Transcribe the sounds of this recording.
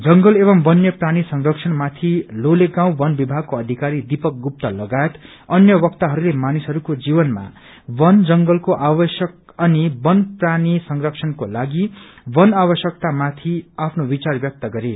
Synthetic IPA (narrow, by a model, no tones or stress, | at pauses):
d͡zʌŋɡʌleβʌmbʌnjʌpranisʌŋrʌksʰʌnmat̪ʰiloleɡãw̃bʌnbibʱaɡ̚koʌd̪ʱikaɾid̪ipʌk̚ɡup̚t̪ʌlʌɡaet̪ | ʌnjʌbʌkt̪aɦʌɾulemanisɦʌɾukod͡zibʌnma̰ | bʌnd͡zʌŋɡʌlkoʔabʌsjʌk̚ | ʌnibʌnpranisʌŋrʌksʰʌnkolaɡibʌnaβʌsjʌk̚t̪amat̪ʰiapʰnobit͡sarbjʌk̚t̪ʌɡʌɾe